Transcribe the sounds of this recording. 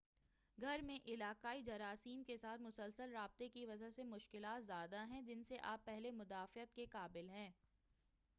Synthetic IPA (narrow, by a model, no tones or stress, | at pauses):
ɡʱɐɾmẽʔɪlaːqaːid͡ʒɐɾaːsiːmkesaːt̪ʰmʊsəlsəlɾaːb̚t̪ekiʋɐd͡ʒaɦsemʊʃkɪlaːt̪zjaːd̪aɦɛ̃d͡ʒɪnseʔaːpːɛɦlemʊd̪aːfɪət̪̚kekaːbɪlɦɛ̃ː